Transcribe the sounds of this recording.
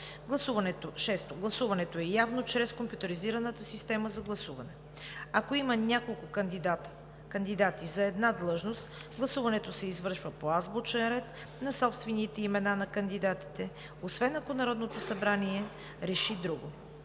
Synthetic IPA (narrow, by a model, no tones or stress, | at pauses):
ɡlˠɐsuvɐnɛt̪oʃɛst̪oɡlˠɐsuvɐnɛt̪oɛjavnot͡ʃɾɛskompjut̪əɾiziɾɐnət̪əsist̪ɛməzɐɡlˠɐsuvɐnɛ | ɐkoimɐnʲakolˠkʊk̪a | kɐnd̪id̪at̪izɐɛd̪nad̪lˠɤʒnost̪ɡlˠɐsuvɐnɛt̪osɛizvɤɾʃvəpoazbot͡ʃɛnɾɛt̪ | nɐsɔpst̪vɛnit̪ɛimɛnanɐkɐnd̪id̪at̪i̥t̪ɛ | osvɛnɐkonɐɾɔd̪not̪osɐbɾaniɛ | ɾɛʃid̪ɾuɡo